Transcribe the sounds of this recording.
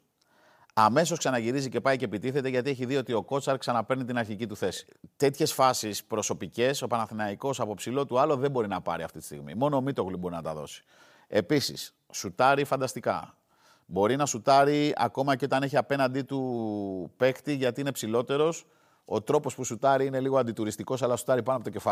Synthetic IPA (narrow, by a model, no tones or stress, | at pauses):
ɐme̞so̞sksɐnɐʝiɾizice̞pɐicepit̪iθet̪eʝɐt̪ie̞çiðio̞t̪io̞ko̞t͡sɐɾksɐnɐpe̞ɾnit̪inɐɾçicit̪uθe̞si̥ | t̪e̞t̪çe̞sfɐsispɾo̞so̞pice̞so̞pɐnɐθinɐiko̞sɐpopsilo̞t̪uɐlo̞ðe̞bo̞ɾinɐpɐ̰ɾiɐ̰ft̪it̪i̥st̪ḭɣmḭmo̞no̞ːmit̪o̞ɣlubo̞ɾinɐt̪ɐðo̞̰si̥ | e̞pisḭs | sut̪ɐɾifɐnd̪ɐst̪ikɐ̰ | bo̞ɾinɐsut̪ɐɾiɐ̰ko̞mɐceo̞t̪ɐne̞çiɐpe̞nɐnd̪it̪u | pe̞kt̪iʝɐt̪iine̞psilo̞t̪e̞ɾo̞s | o̞t̪ɾo̞po̞spusut̪ɐɾiine̞liɣoɐnd̪it̪uɾist̪iko̞s̬ɐlɐsu̥t̪ɐɾipɐnoɐpot̪ocefɐ